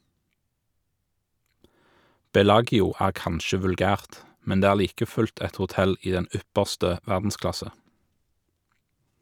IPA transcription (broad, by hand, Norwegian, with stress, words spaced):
ˈbɛˌlɑːɡɪʊ ˈæːʁ ˈkɑnʃə ʋʉlˈɡæːʁt ˈmɛn ˈdeː ˈæːʁ ˈliːkə ˈfʉlt ˈɛt hʊˈtɛl ˈiː ˈdɛn ˈʏpəʁstə ˈʋæʁdn̩ˌsklɑsə